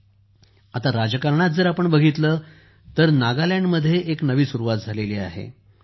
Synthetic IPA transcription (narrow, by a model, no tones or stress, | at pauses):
at̪aɾad͡zəkaɾɳat̪̚d͡zəɾapəɳbəɡʱit̪ləː | t̪əɾnaɡaljaɳɖməd̪ʱːjeʔeknəʋiːsuɾuʋat̪̚d͡zʱaleliːa̰ɦḛ